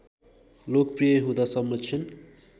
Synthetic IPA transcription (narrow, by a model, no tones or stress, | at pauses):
lokprijʌɦũd̪asʌmːʌt͡sʰʌn